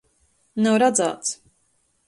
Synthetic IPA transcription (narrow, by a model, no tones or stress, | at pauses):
nawɾad̪za̰ːt̪s